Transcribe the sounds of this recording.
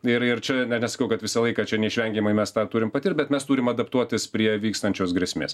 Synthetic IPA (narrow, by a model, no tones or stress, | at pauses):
ɪɾɪrt͡ʃʲɛnʲɛnʲɛsɐ̥kɐʊkɐt̪ʋʲɪsɐlˠɐɪkɐt͡ʃʲɛnʲɛɪʃʲʋʲɛŋʲɡʲɛmɐɪmʲɛst̪ɑːt̪uːɾʲɪmpɐt̪ʲiːt̪̚bʲɛt̪mʲɛst̪uːɾʲɪmɐd̪ɐpt̪uɔt̪ʲɪspʲɾʲiɛʋʲiːkst̪ɐnʲt͡ʃʲoːsɡɾʲɛsʲmʲḛːs